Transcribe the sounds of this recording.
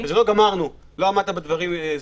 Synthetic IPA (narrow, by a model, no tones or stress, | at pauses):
vezeloɡamaʁnu | lo̞amad̪̚t̪abed̪vaʁim